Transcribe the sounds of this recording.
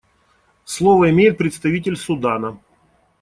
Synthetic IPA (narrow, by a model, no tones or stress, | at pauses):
slˠovəɪmʲejɪt̪̚pɾʲɪt̪st̪ɐvʲitʲɪlʲsʊd̪anə